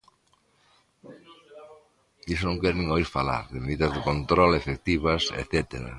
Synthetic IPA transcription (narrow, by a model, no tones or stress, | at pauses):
isonõŋkɛɾnĩŋoiɾfala̰ɾðɪmeðiðɐzðɪkont̪ɾolefek̚t̪iβɐsḛθet̪eɾɐ̰